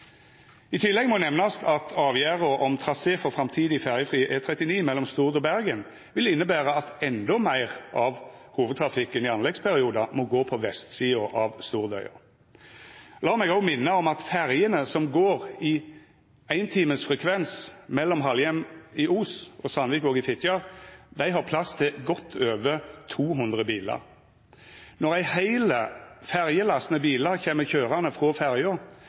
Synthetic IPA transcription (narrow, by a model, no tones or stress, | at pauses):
ɪt̪ʰɪlːɛɡmɔnɛmnɑsɑt̪ʰɑːʋjæːʁəʔɔmt̪ʰɾɑseːfɔʁfʁɑmt̪ʰiːd̪ɪfæʁjəfʁiːʔeːt̪ʰɾɛt̪ɪniːmɛlːɔmst̪uːʁd̪ɔbæʁɡən | ʋɪlɪnːəbæːʁəɑt̪ɛnd̪ɔmæɪʁɑʋ | huːʋəd̪̚t̪ʰɾɑfɪkːənɪɑnlɛɡspʰæʁɪuːd̪ɑmɔɡoːpʰɔʋɛst̪siːʊʔɑʋst̪uːʁd̪œ̰ʏɑ̰ | lɑːmɛɡɔɡmɪnːəɔmɑt̪fæʁjənəsɔmɡoːʁɪ | æɪnt̪ʰiːməsfʁɛkʰʋɛnsmɛlːɔmɦɑljɛmɪʔuːsɔsɑnʋiːkɔːɡɪfɪt̪ɑʁd̪æɪɦɑʁpʰlɑst̪ʰɪɡɔt̪ʰːøːʋət̪ʰuːɦʊnd̪ʁəbiːlɑ̰ʁ | nɔʁæɪhæɪləfæʁjəlɑsnəbiːləɾçɛːməçøːʁɑnəfʁɔfæʁjɔ